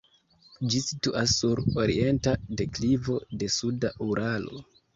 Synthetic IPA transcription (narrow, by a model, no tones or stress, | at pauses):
d͡ʒisituʔasːuɾo̞ɾḭe̞ntade̞klivo̞de̞sudaʔuɾʔalo̞̰